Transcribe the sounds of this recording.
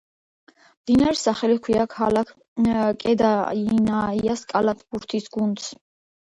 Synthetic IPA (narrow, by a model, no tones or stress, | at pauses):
d̪inaɾsaχɛlikʰwiakʰhalakʰ | kʼɛd̪ainaiaskʼalat̪ʰʼbuɾt̪ʰisɡunt̪sʰ